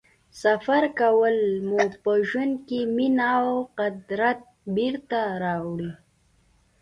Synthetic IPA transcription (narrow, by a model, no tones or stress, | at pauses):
safaɾkawəlmupəʒwand̪keminawqad̪ɾat̪̚biɾt̪aɾɑwɽi